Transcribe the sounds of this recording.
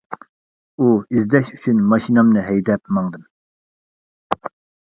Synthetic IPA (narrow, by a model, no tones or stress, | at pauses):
uizd̪ɛʃyt͡ʃʰynmɑʃinɑmnɨɦɛjd̪ɛp̚mɑŋd̪ɨm